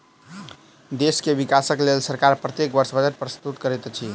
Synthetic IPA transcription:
d̪eskebikasəklelsəɾkaɾpɾət̪jekbəɾsbəd͡ʒəɾpɾəst̪ut̪kəɾɛt̪t͡ʃʰi

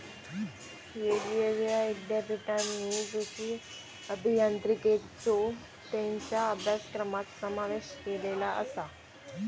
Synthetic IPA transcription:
jeɾieʋjaid̪japiʈanːid͡zuɕi | əbʱijant̪ɾiket͡so | t̪ẽɲt͡ɕjaəbʱjaskɾəmat̪səmaʋeɕkelelaʔə̰sa

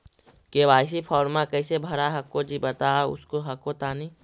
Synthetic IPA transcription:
keːʋaːɪs̬ipʰɔːɾmakəɪsebʱɐɾaɦɐkːod͡ʒibɐt̪aːʊ̰skoɦɐkot̪aːni

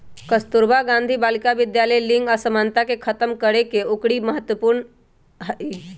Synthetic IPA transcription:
kəst̪uɾbaɡãnd̪ʱibaːlkaʋɪd̪jaləjlɪŋɡasəmaːnt̪akekʰət̪əmkəɾekeʊkɽiməɦət̪wəpuːɾɳ | ɦəi

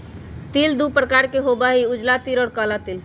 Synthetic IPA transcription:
t̪ild̪upɾəkaɾkeɦobaɦiud͡ʒlat̪iɾɔːɽkalat̪il

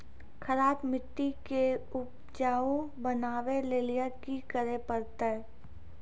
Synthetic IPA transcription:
kʰəɾaːbmɪʈːikeʊp | d͡ʒaːõ | bənaːʋeleːlijəkikəɾepəɾt̪aɦɛ

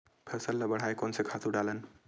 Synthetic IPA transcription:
pʰəsəlːəbəɽ̤aekɔnsekʰat̪uɖalən

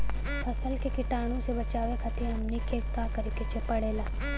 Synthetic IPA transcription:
pʰɐsəlkekɪʈaːɽ̃ũsebɐt͡ʃaːʋekʰat̪ʰiɐmnikʰekːaːkəɾikɪt͡ʃʰepɐɽeːlaː

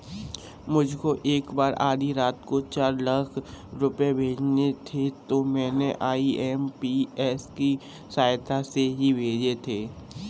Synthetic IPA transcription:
mʊd͡ʒʱkoʔeːkbaːɾʔaːd̪ʱiɾaːt̪kot͡ʃaːɾlɐkʰɾʊpebʱeːd͡ʒnet̪ʰet̪omɛ̃ːneʔaːiɛːmpiɛːski | saːɪt̪ʰaseɦibʱeːd͡ʒet̪ʰeː

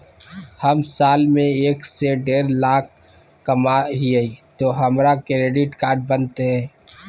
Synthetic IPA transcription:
həmsaːlmẽeːkseɖeːɾlaːk̚ː | əmaɦiait̪oːɦəmɾakeɾeːɖiʈkaːɾʈ̚bənt̪eɦɛ̃ː

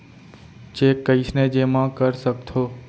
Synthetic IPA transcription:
t͡ʃeːkːəɪsned͡ʒemãkəɾsəkt̪ʰoː

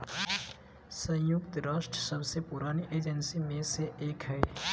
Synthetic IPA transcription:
sə̃jʊkt̪ɾaːʃʈsəbsepʊɾaːniʔeːd͡ʒənsimẽseeːkɦɛː

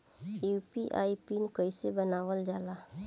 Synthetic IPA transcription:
juːpiʔa̰ːipinkəisebənaːʋəld͡ʒaːlaː

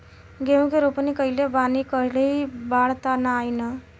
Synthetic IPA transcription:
ɡeũkeɾopnikəilebanikəɾleɦibaɽt̪anaːjnə

